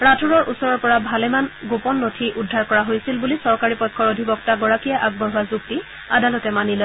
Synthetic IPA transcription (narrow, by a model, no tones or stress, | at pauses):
ɹatʰuɹɔɹʔusɔɹɔɹpɔɹabʱalɛmanɡopɔnːotʰiʔudʱːaɹkɔɹaɦojsilbulisɔɹkaɹipɔkʰːɔɹodʱibɔk̚taɡɔɹakijaʔaɡ̚bɔɦuazuk̚ti | adalɔtɛmanilɔ